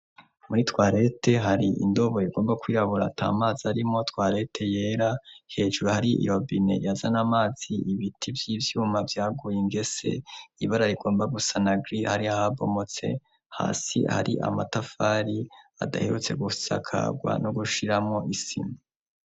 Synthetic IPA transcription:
muɾitwaːɾe̞te̞ɦaɾiʔḭndo̞βo̞jeɡo̞ːmbakwiːɾaβuɾa̰tʰa̰ːmaːzaɾimo̞twaːɾe̞tʰe̞je̞ːɾahe̞ːʒuɾuhaɾiḭjo̞bine̞̰jazanamaːz̥iiβitʰivjiːvjuːmavjaːɡujeŋɡe̞se̞̰iβaɾaɾiɡoːmbaɡusanaɡɾihaɾiahaβo̞̰mo̞t͡se̞̰ | ha̰ːsḭha̰ɾiʔa̰matafaɾia̰da̰heɾut͡se̞̰ɡusa̰kʰa̰ɡwa̰noɡuʃiɾamŋo̞ʔisḭmu

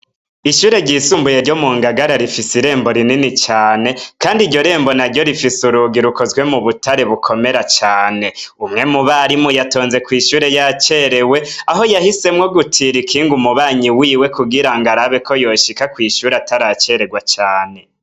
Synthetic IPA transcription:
iʃuːɾe̞ɟisumbujeɾɟo̞muːŋɡaɡaɾaɾifisiɾe̞ːmbo̞ɾininit͡ʃaːne̞kaːndiɾɟo̞ɾe̞ːmbo̞naɾɟo̞ɾifisuɾuɡiɾuko̞zwe̞muβutaɾe̞βukʰo̞me̞ɾat͡ʃaːne̞umŋe̞muβaɾimujato̞ːnze̞kwiːʃuːɾe̞jat͡ʃe̞ɾe̞we̞aɦo̞jahise̞mŋo̞ɡutʰiɾikʰiːŋɡumuβaːɲiwiːwe̞kuɡiɾaŋɡaɾaβe̞kʰo̞jo̞ːʃikakwiːʃuːɾeataɾat͡ʃe̞ɾe̞ɡwat͡ʃaːne̞

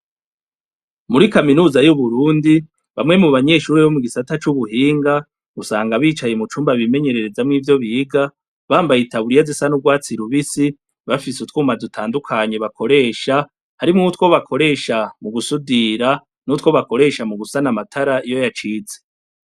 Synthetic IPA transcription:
muɾikaminuːzajuβuɾuːndi | βamŋe̞muβaɲe̞ːʃuːɾeβo̞muɡisatat͡ʃuβuɦiːŋɡa | ɡ̥usaːŋɡaβiːt͡ʃaje̞mut͡ʃuːmbaβime̞ɲe̞ɾe̞ɾe̞zamŋiːvjo̞βiːɡa | βaːmbajitʰaβuɾijazisanub̚ɡwaːt͡siɾuβisi | βafisutkuːmadutʰaːndukʰaɲe̞βakʰo̞ɾe̞ːʃa | haɾimŋutko̞βakʰo̞ɾe̞ːʃamuɡusudiɾa | nutko̞βako̞ɾe̞ʃamuɡusanamatʰaɾaijo̞jat͡ʃiːze

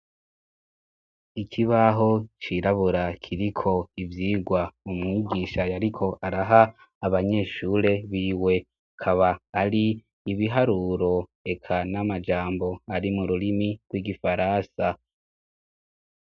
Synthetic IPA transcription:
ikʰiβaɦo̞t͡ʃiɾaβuɾakʰiɾikʰo̞ivjiːɡwaumŋiɡiːʃajaɾikʰo̞ʔaɾaɦaː | βaɲe̞ʃuːɾe̞βiːwe̞ | kʰaβaːɾiː | βiɦaɾuːɾo̞e̞kʰanamad͡ʒaːmbo̞aɾimuɾuɾimiɡ̥wiːɡifaɾansa

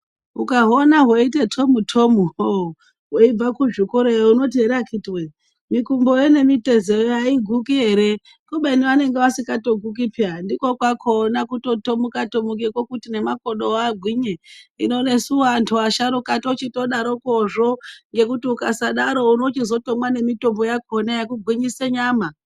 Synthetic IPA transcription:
ukaɦonaɦweitetʰo̞mutʰomuo | ɦweib͡vakuʐikoɾejouno̞t̬ieɾakʰitwe | mikumbojene̞mite̞zejojaiɡʱukiɦe̞ɾe̞ | kuɓeniane̞ŋɡeʋasikato̞ɡʱuk̬ipʰiandiko̞kwakʰo̞nakuto̞to̞mukatomuk̬ekwokutine̞mako̞ɗo̞aɡʱwiɲeḭno̞ne̞suantʰuaʃaɾukatot͡ʃito̞ɗaɾokoʐo̞ŋɡe̞kutiukasaɗaɾo̞unot͡ʃizo̞to̞mwane̞mito̞mbo̞jakʰonajakuɡʱwiɲiseɲaːma

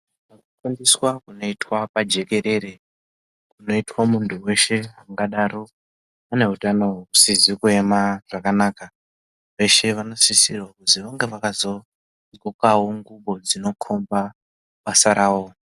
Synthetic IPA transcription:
akakandiswakuno̞itwapad͡ʒe̞ke̞ɾe̞ɾe̞ | kkuno̞itwamuntʰuwe̞ʃe̞ɦaŋɡaɗaɾo | ane̞ɦutano̞usizikue̞maʐ̥akanaːka | ʋe̞ʃe̞ʋano̞sisirwakuziʋoŋɡe̞ʋakazo̞ | zokaɦoŋɡuɓo̞d͡zino̞kʰo̞mba | masaɾaːwo

